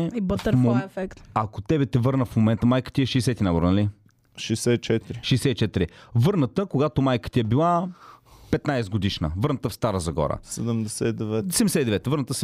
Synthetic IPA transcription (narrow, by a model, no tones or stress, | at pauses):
ibət̪əɾmɛfɛkt̪akot̪ɛbɛt̪ɛvɤɾnəfmomɛnt̪əmajkə̥t̪iɛʃiːsɛt̪inaboɾnɐli | ʃɛjsɛt͡ʃɛt̪iɾiʃɛːsɛit͡ʃɛt̪iɾivɤɾnət̪əkoɡat̪omajkə̥t̪iɛbilˠa | pɛt̪najsɛɡod̪iʃnə̰vɤɾnət̪əfst̪aɾəzɐɡɔ̰ɾə̰sɛd̪əmd̪ɛsɛid̪ɛvɛsɛd̪ɛmd̪ɛsɛt̪id̪ɛvɛt̪vəɾnət̪əs